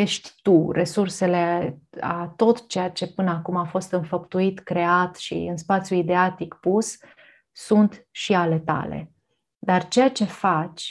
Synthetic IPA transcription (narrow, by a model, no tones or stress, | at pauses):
jeʃt̪ʲt̪urʔe̞surse̞le̞a̰t̪o̞t̪t͡ʃe̞jat͡ʃe̞pɨnəakumafo̞st̪ɨnfəpt̪uit̪kɾe̞at̪ʃḭɨnspat̪sʲjuid̪eat̪ikpus | sunt̪ʃiale̞t̪a̰le̞̰ | d̪art͡ʃe̞jat͡ʃe̞fat͡ʃʲ